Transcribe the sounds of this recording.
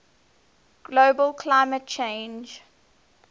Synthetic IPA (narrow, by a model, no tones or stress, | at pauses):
ɡ̥loːbəlkʰlaɪmət̚t͡ʃʰẽnd͡ʒ